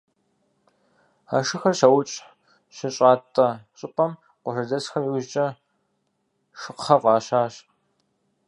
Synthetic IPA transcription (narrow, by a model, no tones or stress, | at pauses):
a̰ʂɨxɐrɕɐwʊt͡ʃʼ | ɕɪɕʼaːtʼɐɕʼɪpʷʼɐm | qʷɔʂɐdɐsxɐmiwʑt͡ʃʼɐ | ʂɨqχɐqʼɑːɕaːɕ